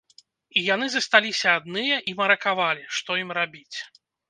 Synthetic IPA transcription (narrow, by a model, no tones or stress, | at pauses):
ijan̪ɨzɐst̪alʲisʲɐːd̪nɨjɐʔimɐɾɐkavalʲiʂt̪ɔjimrabʲit͡sʲ